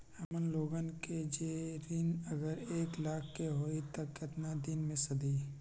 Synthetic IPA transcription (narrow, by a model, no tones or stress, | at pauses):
hɐmənloːɡənked͡ʒeɾinɐɡəɾeːklaːkʰːeɦoːit̪ɐkːɪt̪nad̪ɪnmẽsɐd̪iː